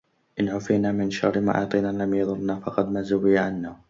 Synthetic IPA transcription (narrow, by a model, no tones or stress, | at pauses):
ʔɪnʕʊfiːnaːmɪnʃɑrˤːɪma̰ʔɑ̰ːt̪ˤiːnalamjɑðˤʊnːaːfɑqɑd̪mazawiːʕanːaː